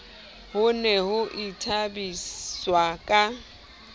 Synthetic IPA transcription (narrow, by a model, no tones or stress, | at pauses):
hʊnɛhʊʔitʰabiswakʼa